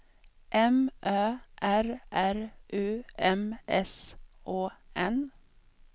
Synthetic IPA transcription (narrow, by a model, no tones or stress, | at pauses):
ʔɛmʔøːʔæɾʔæɾʔʉːɛmɛsʔoːʔɛn